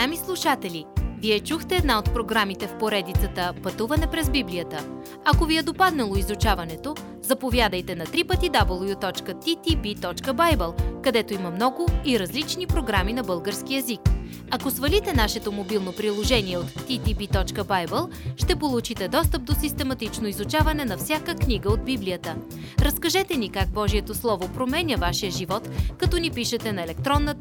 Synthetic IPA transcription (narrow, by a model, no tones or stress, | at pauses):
amislˠuʃat̪ɛlʲiviɛt͡ʃuxt̪ɛːd̪naot̪̚pɾoɡɾamit̪ɛfpoɾɛd̪it̪sət̪əpɐt̪uvɐnɛpɾɛzbibliət̪ə | ɐkoviɛd̪opad̪nɐlˠoizut͡ʃavɐnɛt̪o | zɐpovʲjad̪əjt̪ɛnɐt̪ɾipət̪id̪abəlˠjut̪ɔt͡ʃkət̪it̪ibit̪ɔt͡ʃkəbajbɛlˠkɐd̪ɛt̪oimɐmnɔɡʊiɾɐzlit͡ʃnipɾoɡɾaminɐbɤlˠɡəɾsk̟iɛzik | ɐkosvɐlit̪ɛnaʃɛt̪omobilˠnopɾilˠoʒɛniɛot̪ːit̪ibit̪ɔt͡ʃkəbajbəlˠ | ʃt̪ɛpolˠut͡ʃit̪ɛd̪ɔst̪əp̚d̪osist̪ɛmɐt̪it͡ʃnoizut͡ʃavɐnɛnɐfsʲjakəkniɡəod̪biblijət̪ə | ɾɐskɐʒɛt̪ɛnikaɡ̚bɔʒiɛt̪oslˠɔvopɾomɛnʲəvaʃijəʒivɔt̪kɐt̪ɔnipiʃɛt̪ɛnɐɛlɛk̚t̪ɾɔnːə